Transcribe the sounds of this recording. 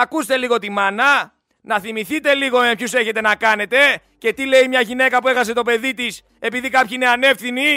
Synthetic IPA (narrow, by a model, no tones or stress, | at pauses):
ɐkust̪e̞liɣo̞t̪imɐnɐ | nɐθimiθit̪e̞liɣo̞mepçuse̞çe̞t̪e̞nɐkɐne̞t̪e̞ | ce̞t̪ile̞imɲɐʝine̞kɐpue̞xɐs̬e̞t̪o̞pe̞ðit̪is | e̞piðikɐpçine̞ɐne̞fθini